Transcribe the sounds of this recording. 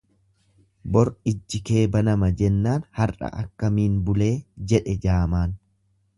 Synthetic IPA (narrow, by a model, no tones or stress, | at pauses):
bɔɾɪd͡ʒːɪke̞ːbɐnɐmɐd͡ʒɛnːaːnhɐrɐ̰ʔɐ̰kːɐmiːnbʊle̞ːd͡ʒɛᶑɛd͡ʒaːmaːn